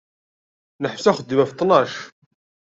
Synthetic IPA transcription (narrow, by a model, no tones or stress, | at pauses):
nəħfsæχəd̪ːəmæft̪ˤːnɑʃ